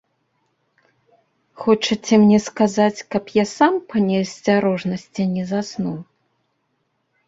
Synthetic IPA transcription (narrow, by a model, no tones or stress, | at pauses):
xɔt͡ʂɐt͡sʲɛmnʲɛskazat͡sʲkɐpjasampanʲɛsʲt͡sʲaɾɔʐnɐsʲt͡sʲɛnʲɛzasnuw